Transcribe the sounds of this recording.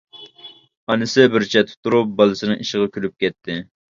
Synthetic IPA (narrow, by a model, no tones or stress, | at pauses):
ɑnɨsɪbɪɾt͡ʃʰɛt̪̚ʰːt̪ʰuɾup̚bɑlˠɨsɨnɨŋiʃɪʁɑkʲʰylyp̚kʲɛt̪ʰːɪ